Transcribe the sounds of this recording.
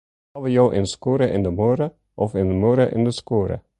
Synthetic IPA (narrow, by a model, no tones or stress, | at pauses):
ɑʋəjoːʔɪ̰nskoːɾəʔɪ̰ndəmoːɾə | ʔɔfɪndəmoɾəʔɪ̰ndəskoːɾə̰